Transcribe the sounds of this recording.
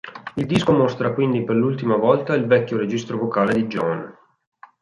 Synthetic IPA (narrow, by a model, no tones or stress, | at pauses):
ild̪iskomost̪ɾakwind̪iperlult̪imavɔlt̪ailvɛkʲːoɾed͡ʒist̪ɾovokaːled̪id͡ʒɔ̰n